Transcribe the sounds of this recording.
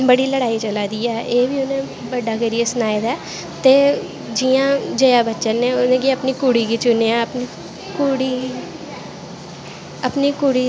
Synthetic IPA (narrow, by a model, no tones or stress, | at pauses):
bəɽiːləɽaːiːt͡ʃəlaːd̪iːɛːʔeːʋiːʊnẽː | bəɖaːkəɾijesʊnaːed̪aː | t̪eː | d͡ʒijãːd͡ʒəjaːbətːʃənẽːʊnẽːɡiəpniːkuːɽiːɡiːt͡ʃʊnejãːəpniː | kuːɽiː | əpniːkuɽiː